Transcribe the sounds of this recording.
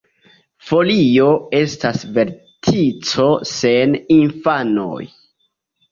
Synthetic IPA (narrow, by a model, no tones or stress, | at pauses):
fo̞lio̞e̞stasve̞ɾ | tʰit͡so̞se̞ninfano̰j